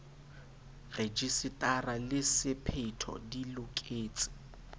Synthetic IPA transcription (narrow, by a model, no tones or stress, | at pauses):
red͡ʒisɪtʼaralɪsɪpʰetʰɔ̰dilʊkʼeːt͡sʼɪ̥